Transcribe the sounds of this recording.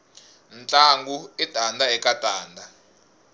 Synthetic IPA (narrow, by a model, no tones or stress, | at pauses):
nt͡ɬʼaŋɡuid̥ʱandʱaɛkʼatʼaːndʱa